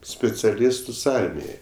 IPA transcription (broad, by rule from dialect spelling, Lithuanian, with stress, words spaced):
sʲpʲɪt͡sʲɛˈlʲɪstʊs ˈɐrʲmʲɪjɛɪ